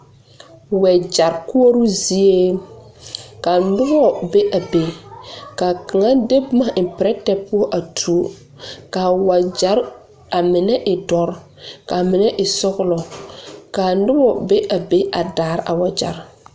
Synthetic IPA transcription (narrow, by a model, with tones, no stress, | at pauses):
wɛ˨d͡ʒa˨ɾkʊ˦o˦ɾu˦zi˦e˦ | ka˨ndʊ˦bɔ˦be˦ʔa˨be˨ka˨ka˨ŋa˦de˦bʊ˦ma˦˨pɪ˨ɾɛ˦tɛ˦pʊ˦ɔ˦ʔa˨tʰu˨o˦ | ka˨wa˨d͡ʒa˨˦ɾ | a˨mɪ˨nɛ˦ʔɪ˨dɔ˨ɾ | ka˨mɪ˨nɛ˦ʔɪ˨sɔ˦ɣʊ˦lɔ˨ka˨˦dʊ˦bɔ˨be˦ʔa˨be˦ʔa˨daː˨ɾʔa̰˨wa˨d͡ʒa̰˨ɾ